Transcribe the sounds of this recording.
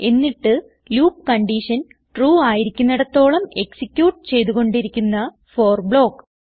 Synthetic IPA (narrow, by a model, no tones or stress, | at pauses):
e̞nːiʈːɨ | luːp̚kɐɳɖiʂɐn | ʈruːaːjiɾikʲːunːɐɽɐt̪ːo̞ːɭɐmeksikʲːjuːʈːɨt͡ɕe̞jt̪uɣo̞ɳɖiɾikʲːunːɐ | fo̞ːrbɭo̞ːkː